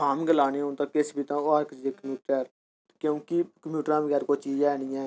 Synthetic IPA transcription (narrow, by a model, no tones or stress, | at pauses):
aːmɡəlaːneõːt̪ãːkesbʱiːt̪ãːoːaːɾkəseːkəmjuːʈəɾɛːɾ | kjõːkikəmjuːʈɾãːbəɡɛːɾkoːt͡ʃiːd͡ʒɛːnɪːɛ̃ː